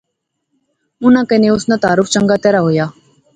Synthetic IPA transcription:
ʊnãːkənẽːʊsnãːt̪aːɾʊfʰt͡ʃəŋɡaːt̪ɛːɾaːɦoːjaː

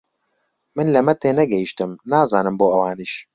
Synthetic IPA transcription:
mɨnlɐmɛt̪eːnɛɡɛjiʃt̪ɨmnaːzaːnɨmboːɐwaːniʃ

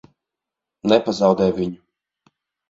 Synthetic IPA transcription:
nɛpazawd̪ɛːjvʲiɲu

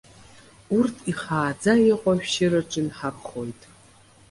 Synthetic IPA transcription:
urtʰiχaːd͡zaeqʷʼaʃᶣʃɪɾɨʈ͡ʂʼɪnħarχo̞jtʼ

